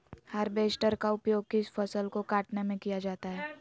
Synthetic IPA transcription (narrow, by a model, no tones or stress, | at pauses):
hɐɾbeːsʈəɾkaʊpjoːɡ̚kɪsfʰɐsəlkokaːʈnemẽkijad͡ʒaːt̪aɦɛː